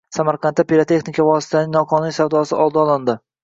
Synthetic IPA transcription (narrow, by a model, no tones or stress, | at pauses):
samaɾqʰɑnt̪ːapiɾat̪ʰe̞xnɪkʰavɒsɪ̥t̪ʰanɪŋnɒqʰɒnijsawd̪ɒsɪʔɒlˠd̪ɒɒlˠɪnd̪ɪ